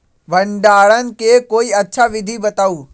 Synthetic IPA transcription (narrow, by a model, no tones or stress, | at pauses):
ʋɐ̃ɳɖaːɭənɪ̆kʰeːkoːiɐtːt͡ɕʰaʋɪd̪ʱibɐt̪aːuː